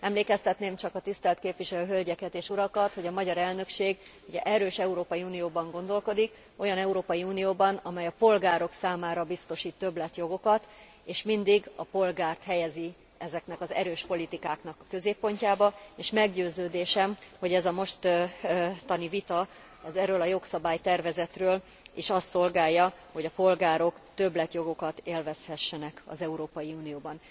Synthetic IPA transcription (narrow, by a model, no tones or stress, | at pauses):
ɛmleːkɛst̪ɛt̪neːmt͡ʃɒkɒt̪ist̪ɛlt̪keːpʋiʃɛløːɦølɟɛkɛt̪eːʃuɾɒkɒt̪ho̞ɟɒmɒɟɒɾɛlnø̞kʃeːɡ | uɟɛ̰ʔɛɾøːʃɛuɾoːpɒjiuːnijoːbɒŋɡo̞nd̪o̞lko̞d̪ik | o̞jɒnɛuɾoːpɒjiunijoːbɒnɒmɛjɒpo̞lɡaːɾo̞ksaːmaːɾɒbist̪o̞ʃiːt̪ːø̞blɛt̪jo̞ɡo̞kɒt̪ | eːʃmind̪iɡɒpo̞lɡaːrt̪hɛjɛzi | ɛzɛknɛkɒzɛ̰ɾøːʃpo̞lit̪ikaːknɒkɒkø̞zeːpːo̞ɲcaːbɒeːʃmɛɡɟøːzøːd̪eːʃɛmho̞ɟɛzɒmo̞ʃt̪ | t̪ɒnivit̪ɒ | ɒzɛrøːlɒjo̞ksɒbaːjt̪ɛrvɛzɛt̪røːl | eːʃɒst̪so̞lɡaːjːɒho̞ɟɒpo̞lɡaːɾo̞kt̪ø̞blɛt̪jo̞ɡo̞kɒt̪eːlvɛshɛʃːɛnɛkɒ̰zɛuɾoːpɒjiuːnijoːbɒn